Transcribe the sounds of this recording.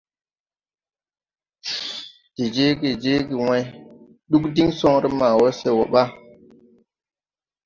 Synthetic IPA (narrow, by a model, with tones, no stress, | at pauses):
ti˨d͡ʒe˦ɡi˨d͡ʒe˦ɡi˨we˦j | ɗu˦kdi˦ŋsɔ˦ŋɾi˦ma˨wo˦se˨wo˨ɓa˦